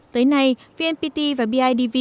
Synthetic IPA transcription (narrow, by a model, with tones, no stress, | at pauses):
t̪əː˨˦jna˧˩jvi˧ʔɛ˧npi˧t̪i˧vaː˨˩ɓi˧ʔaː˧jɗi˧vi˧